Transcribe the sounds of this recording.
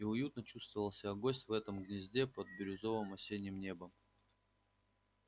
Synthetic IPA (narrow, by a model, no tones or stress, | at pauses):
iʊjut̪nət͡ɕust̪vəvəlˠsʲɪaɡosʲtʲvɛt̪əmɡnʲɪzʲdʲe̞pəd̪̚bʲɪɾʲʊzo̞vɨmɐsʲenʲɪmnʲe̞bəm